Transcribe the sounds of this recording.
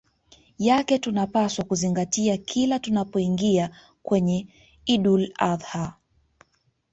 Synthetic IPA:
jakɛtunapaswakuziŋɡatiakʰilatunapɔiŋɡia | kwɛɲɛ | iɗulaðha

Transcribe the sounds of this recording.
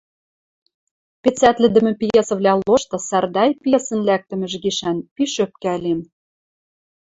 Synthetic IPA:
pet͡sæt̪lɘ̆d̪ɘ̆mɘ̆pjesɤ̆vlʲæloʃt̪ɤ̆særd̪ɑjpjesə̆nlæk̚t̪ɘ̆mɘ̆ʒɡiʃænpiʃøp̚kælem

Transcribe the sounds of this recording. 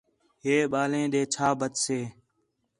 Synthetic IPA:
ɦeːɓaːlẽːɗ̪eːt͡ʃʰaːbʱət̪seː

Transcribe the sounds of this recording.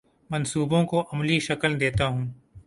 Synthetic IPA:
mɐnsuːbõkoʔɐmliʃɐkəld̪eːt̪aɦũː

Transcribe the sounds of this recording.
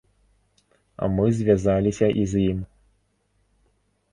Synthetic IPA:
ɐ̰mɨzʲvʲazalʲisʲɐʔizjim

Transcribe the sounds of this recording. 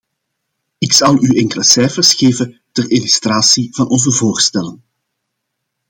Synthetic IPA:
ɪksɑlˠyɛŋkələsɛjfərsxeːvətərilyst̪raːsiv̥ɑnʔɔnzəvoːrstɛlən

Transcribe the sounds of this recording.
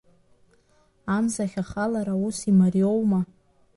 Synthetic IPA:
amzaχʲaχalaɾausimarjowma

